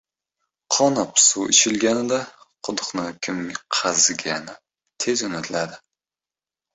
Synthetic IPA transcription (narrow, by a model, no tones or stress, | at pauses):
qʰɒnɒpsuɪt͡ʃʰɪlɡʲanɪd̪aqʰʊd̪ʊqnɨkʲʰɪmqʰɑzɡʲanɪ | t̪ʰezʊnɪt̪ʰlad̪ɪ